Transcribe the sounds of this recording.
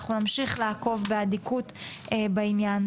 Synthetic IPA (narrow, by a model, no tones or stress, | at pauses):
χunamʃiχlaako̞vbeadikutebainjan